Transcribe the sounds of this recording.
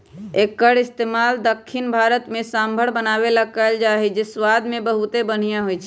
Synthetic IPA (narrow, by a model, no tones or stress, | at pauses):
ekːəɽist̪emald̪əkʰːinbʱaɾət̪mẽsambʱəɽ̤bənabeləɡ̚kaeld͡ʒaɦid͡ʒeswad̪mebəɦut̪ebən̤ijãɦojt͡ʃʰɛ